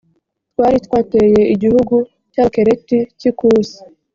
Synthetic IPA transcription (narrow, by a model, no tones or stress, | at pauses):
twaːɾitwaːteje̞ʔiɟihuɡu | cakeɾeticikuːsi̥